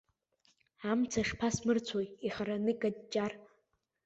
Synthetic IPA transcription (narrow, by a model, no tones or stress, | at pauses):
amt͡sʰaʂpʰasmɨrt͡sʷʰojiχaɾanɨkʼadt͡ʃːʼar